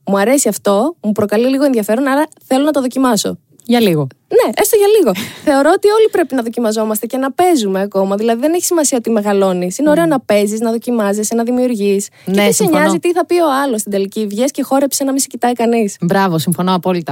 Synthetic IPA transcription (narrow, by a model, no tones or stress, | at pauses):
muɐɾe̞siɐft̪o̞mupɾo̞kɐliliɣo̞e̞nðiɐfe̞ɾo̞nɐɾɐθe̞lo̞nɐt̪oðo̞cimɐso̞̰ | ʝɐliɣo | ne̞est̪oʝɐliɣo̞θe̞o̞ɾo̞ot̪io̞lipɾe̞pinɐðo̞cimɐzo̞mɐst̪ece̞nɐpe̞zumeɐko̞mɐðilɐðiðeneçisimɐsiɐot̪ime̞ɣɐlo̞nisineo̞ɾe̞onɐpe̞ziznɐðo̞cimɐzisenɐðimiuɾʝis | cneeseɲɐzzit̪iθɐpio̞ɐlo̞st̪id̪elicivʝesce̞xo̞ɾe̞psenɐmisecit̪ɐikɐnisbɾɐvo̞siɱfo̞noɐpo̞lit̪ɐ